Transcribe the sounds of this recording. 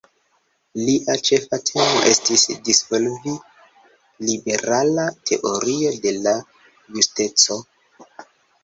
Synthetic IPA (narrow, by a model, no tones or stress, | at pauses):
liʔat͡ʃe̞fatʰe̞mo̞̰ʔe̞stisdisvolvi | libe̞ɾalatʰe̞̰ʔo̞ɾio̞de̞la | juste̞t͡so̞